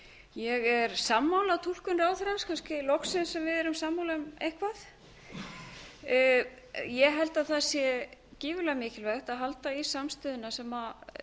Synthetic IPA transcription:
jɛɣɛɾsamːawlaðt̪ʰul̥kʏnɾaːwθɾanskʰanscɪlɔksɪnsːɛmvɪðɛɾʏmsamːawlamejhkvaθ | jɛɣɦɛlt̪aðθasjɛcɪːvʏlɛɣmɪːcɪlvɛɣht̪aðɦalt̪aisamst̪ʏːðʏnasɛma

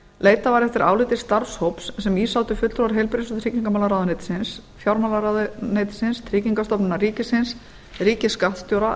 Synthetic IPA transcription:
leːjt̪avaɾɛft̪ɪɾʔa̰ːwlɪt̪ɪst̪aɾshowpssɛmiːsawt̪ʏfʏt̪lt̪ɾowɾɦejlpɪɾɪsʏt̪ʰɾiːciŋkamaːlaɾawðʏnejt̪sɪnsfjawɾmaːlaɾaðʏnejt̪sɪnst̪ʰɾiːciŋkast̪ɔpnʏnːariːcɪsɪns | riːcɪskat̪st̪jowɾa

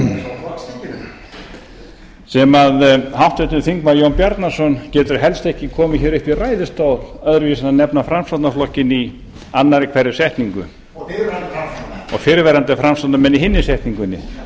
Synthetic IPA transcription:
sɛmaðhawht̪vɛt̪ʏθiŋkmajownpjaɾt̪naɾsɔncɛːt̪ʏɾ̥ɦɛlst̪ɛhcɪkʰɔːmɪçɛːɾɪhpiraːjðɪst̪owlœðɾvisananɛpnafɾamsat̪naflɔhcɪni | anːaɾɪkʰvɛɾɪsɛht̪niŋkʏ̰ | ɔɣfɪɾvɛɾant̪ɪfɾamst̪ant̪amɛnːiɦɪnːɪsɛht̪niŋkʏnːɪ̰

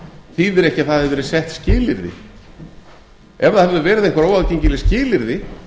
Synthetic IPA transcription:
θivɪɾɛhcɪaθaðhɛvɪɾɪsɛht̪scɪːlɪɾðɪ̰ | ɛvɾaðhɛvðʏɾvɛːɾɪðejŋkvaɾoːwaðcejɲcɪlɪscɪːlɪɾðɪ

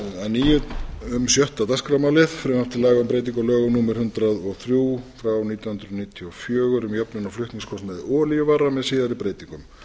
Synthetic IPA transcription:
anːiːjʏtʏmsjœht̪at̪askɾamawlɪðfɾʏmaft̪ɪlaːɣaʏmpɾeːjt̪̬iŋkɔlœːɣʏmnuːmɪɾ̥hʏnt̪ɾaðɔɣθɾjuːfɾawniːt̪jnhʏnt̪ɾʏðniːt̪ʰiɔfjœːɣʏɾʏmjœpnʏnawflʏht̪niŋskʰɔst̪mɛðɔːlijʏvarːamɛðsiːðaɾipɾeːjt̪iŋkʏm

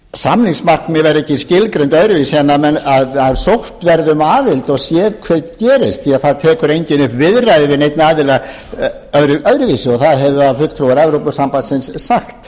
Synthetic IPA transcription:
samliŋsmarknmjɛvɛɾɛcːɪscɪlkɾent̪œðɾʏvisanːamɛnaðaðsowht̪vɛɾðʏmaːvɪlt̪ɔɣsjɛːðkʰvɛt̪cɛːɾɪst̪θiaðθaðt̪ʰɛːkʏɾejɲcɪnʏhpvɪðrajðɪvɪnejt̪naːvɪla | œɾʏʔœðɾʏvisɪɔɣθaðɦɛvʏaðfʏlt̪ʰɾuwaɾɛvɾowpʏsampansɪnsːaxt̪

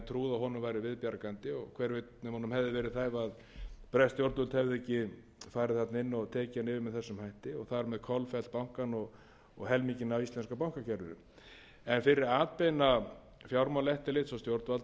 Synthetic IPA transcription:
t̪ʰɾuːðaɦɔnʏmvaːjɾɪvɪðpjaɾkant̪ɪɔɣkʰvɛɾvet̪ɛmhɔːnʏmhɛvðɪvɛːɾɪðθajvað | pɾɛst̪jowɾt̪ʏlt̪hɛvðɪɛcɪ | faːɾɪðθat̪naɪnːɔɣt̪ʰɛːcɪanɪːvɪmɛðθɛsːʏmhajht̪ɪɔɣθaɾmɛðkʰɔlfɛl̥t̪̚pawŋ̥kanɔɣ | ɔɣɦɛlmicɪnawislɛnskapawŋkacʰɛɾðʏɾɪ̰n | ɛnfɪɾɪɾaːt̪̚peːjna | fjawɾmalɛht̪ɪlɪt̪sɔst̪jowɾt̪valt̪

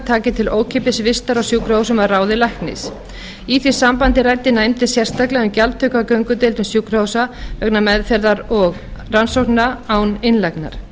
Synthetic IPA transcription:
t̪ʰaːcɪt̪ʰɪloːwcʰɪpɪsvɪst̪aɾawsjuːkɾowsʏmaðraːwðɪlajhknɪ̰s | iθi̥sampant̪ɪɾajt̪ɪnajmt̪ɪ̥sjɛr̥st̪aklɛɣʏmcalt̪ʰʏkakœɥŋkʏt̪ɪlt̪ʏmsjuːkɾowsaœknamɛðfɛɾðaɾɔɣ | ransohknaawnɪnlajkna̰ɾ̥

